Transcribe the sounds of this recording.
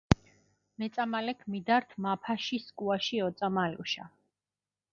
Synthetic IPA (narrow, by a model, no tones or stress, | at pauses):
mɛt̪sʼamalɛkʰmid̪aɾt̪ʰmapʰaʃiskʼuaʃiɔt̪sʼamalṵʃa̰